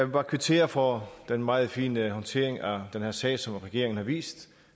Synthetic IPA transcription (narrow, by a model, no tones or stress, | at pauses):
ʋɑ̈kʰʋit͡sʰe̝̰ːɐfɒd̥enmɑ̈ːð̞̩ˠfḭːnəhɒ̽nt͡sʰe̝̰ːɐ̰eŋæd̥enhæɐsɛ̰ːsɒ̽mʁɛɡ̥e̝ɐeŋn̩hɑ̈ʋḭːsd̥